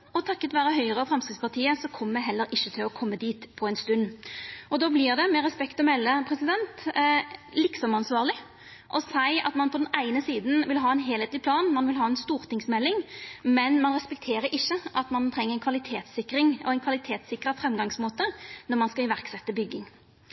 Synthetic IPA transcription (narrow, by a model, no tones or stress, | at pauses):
ɔt̪ʰɑkːət̪ʋæːɾəɦœʏəʁəɑfɾɑmskʁɪt̪spʰɑʁt̪ʰiːəsɔkʰɔmːəd̪ɛɦɛlːəɾʔɪʃːət̪ʰɪlɔkʰɔmːəd̪iːt̪pʰɔɛɪnst̪ʉnːɔd̪oːblɪʁd̪ɛmɛɾɛspɛkt̪ɔmɛlːəpʰɾɛsɪd̪ɛnt̪ | lɪksɔmɑnsʋɑːʁlɪ | ʔɔsæɪɑ̰t̪mɑnpʰɔd̪ɛnæɪnəsiːd̪n̩ʋɪlɦɑːɛɪnɦeːleːt̪lɪpʰlɑːnmɑnʋɪlɦɑːɛnst̪uːɾt̪ɪŋsmɛlːɪŋmɛnmɑnʁɛspɛk̚t̪ʰeːɾəɾɪʃːəʔɑt̪mɑnt̪ʰʁɛŋːəʁɛnkʋɑlɪt̪ʰeːt̪sɪkɾɪŋɔɛɪnkʰɑlɪt̪ʰeːt̪sɪkɾəfɾɛmɡɑŋsmoːt̪ənɔʁmɑnskɑɪʋæʁksɛt̪ːəbʏɡːɪŋ